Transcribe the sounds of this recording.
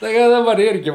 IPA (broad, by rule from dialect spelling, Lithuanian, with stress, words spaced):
tɐɪ ˈkɐ dɐˈbɐr ˈɪrʲɡʲɪ